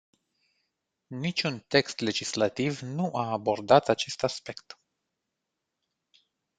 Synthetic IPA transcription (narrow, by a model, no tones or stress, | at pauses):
nit͡ʃunt̪e̞kst̪le̞d͡ʒislat̪ivnuʔaːbo̞rd̪at̪at͡ʃe̞st̪aspe̞kt̪